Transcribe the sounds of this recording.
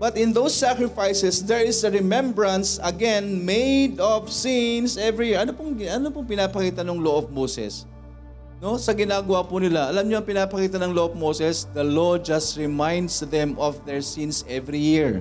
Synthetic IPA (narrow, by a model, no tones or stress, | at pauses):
bɐt̪ɪ̃nd̪owsːakɹɪfajsɛsd̪ɛɹɪsɐɹɛmɛ̃mbɹɐ̃nsɐɡɛ̃nmejd̪ɔvsinsɛvɹijɪɹʔɐnopʊŋɡɐnopʊŋpɪnaːpɐkiːt̪ɐnoŋloʔob̚mowsɛ̰s | no̞sɐɡɪnaːɡɐwapʊnɪlaɐlamɲoɐŋpɪnaːpɐkiːt̪ɐnɐŋloʔob̚mowsɛsd̪ɐlod͡ʒɐst̪ɹɛmãjnd̪sðɛ̃mʔɔfðɛɹsinsɛvɹijɪɹ